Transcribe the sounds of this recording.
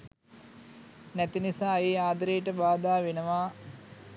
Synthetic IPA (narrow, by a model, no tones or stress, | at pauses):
næt̪inisaːeːaːd̪əɾejʈəbaːd̪aːʋenəʋaː